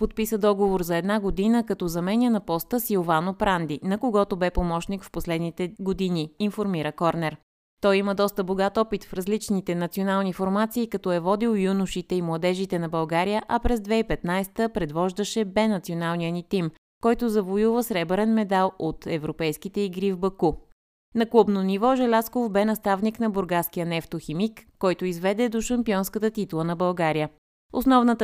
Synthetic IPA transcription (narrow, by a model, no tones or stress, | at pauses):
pot̪̚pisəd̪ɔɡovoɾzɐɛd̪naɡod̪inəkɐt̪ɔzɐmɛnijənɐpɔst̪əsiovanopɾand̪inɐkoɡɔt̪obɛpomɔʃnikfposlɛd̪nit̪ɛɡod̪iniːnfoɾmiɾəkɔɾnɛɾ | t̪ɔjiməd̪ɔst̪əboɡat̪ɔpit̪fɾɐzlit͡ʃnit̪ɛnɐt̪sionalˠnifoɾmat̪siːkɐt̪ɔɛvɔd̪ilˠjunʊʃit̪ɛimlˠɐd̪ɛʒit̪ɛnɐbɐlˠɡaɾijəʔɐpɾɛzd̪vɛipɛt̪najst̪əpɾɛd̪vɔʒd̪əʃɛbɛnɐt̪sionalˠnijənit̪im | kɔjt̪ʊzɐvojuvəsɾɛbɛɾɛnmɛd̪alˠot̪ɛvɾopɛjskit̪ɛiɡɾivbɐku | nɐklˠubnonivɔʒɛlʲaskofbɛnɐst̪avniknɐboɾɡaskijənɛft̪oximikːɔjt̪oizvɛd̪ɛd̪oʃɐmpiɔnskət̪ət̪it̪lˠənɐbɐlˠɡaɾijə | osnɔvnət̪